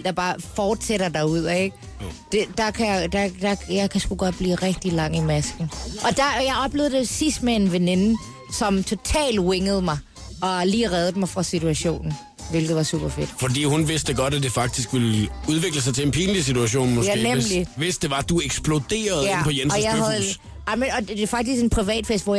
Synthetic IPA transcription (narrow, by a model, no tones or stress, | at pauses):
d̥ɑ̈b̥ɑ̈ːfɒːd̥seɾɐd̥ɑ̈uð̞̰ˠeɡ̥̚ | d̥e̝d̥ɑ̈kʰæjad̥ɑd̥ɑ̈jɑ̈ɪkʰæsɡ̥uɡ̥ɒ̽d̥̚b̥lḭːʁɛɡ̥̚d̥ilɑ̈ŋ̰imæsɡ̥n̩ʔɒ̽d̥ɑjɑ̈ɪɒ̽b̥le̝ʊð̩ˠd̥esisd̥mee̝nʋene̝nə | sɒ̽mt͡sʰo̝t͡sʰɛ̰ːld̥weŋəð̩ˠmɑ̈ɪ | ɒ̽liːʁɛð̞ˠdəmɑ̈ɪfʁɑ̈sit͡sʰuæɕo̝̰ːnn̩ | ʋe̝lɡ̥ð̩ˠʋɑ̈sṵːb̥ɐfe̝d̥fɒdḭːhunʋe̝sd̥əɡ̥ɒ̽d̥æd̥efɑ̈ɡ̥̚d̥isɡ̥ʋeluð̞ˠʋe̝ɡ̥ləs̬ɑ̈ɪt͡sʰe̝enpʰiːnlis̬it͡sʰuæɕo̝̰ːnmoæneliʋesd̥e̝ʋɑ̈d̥ueɡ̥sb̥lo̝d̥e̝̰ːɐðˠjæpʰɒjenɒjjɑ̈ɪðˠ | ɑɪmənɒ̽d̥e̝fɑ̈ɡ̥d̥isɡ̥enpʰʁiʋɛ̰ːd̥fesd̥ʋɒ̰j